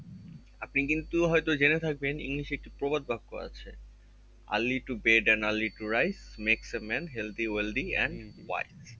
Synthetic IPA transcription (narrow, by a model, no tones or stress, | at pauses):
apnikint̪uɦɔjt̪od͡ʑenet̪ʰak̚benḭŋliʃek̚ʈipɾobad̪̚bʱakːoa̰t͡ɕʰe | a̰lːiʈubeɖenalːiʈuɾajsmeksemɛnɦeld̪ield̪iɛ̰ɳɖwa̰js